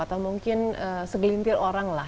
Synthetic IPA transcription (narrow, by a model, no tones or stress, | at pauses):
at̪amuŋkɪnəsəɡlint̪ɪɾoɾaŋla